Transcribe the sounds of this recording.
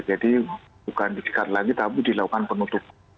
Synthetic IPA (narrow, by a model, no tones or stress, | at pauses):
d͡ʒadi | bukandisi̥kat̪laɡit̪abudilakukanpənut̪ʊp̚